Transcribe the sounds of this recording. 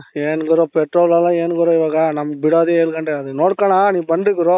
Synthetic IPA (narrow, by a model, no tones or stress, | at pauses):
eːnkɯɾõːpɛʈɾoːlalãːeːnɯkɯɾõːɪʋaːɡaːnɐmːɐbɪɽaːðieːlkɐɳɖeɐðɯnoːɽkːɐnaːnĩːpɐndɾɯkːɯɾõː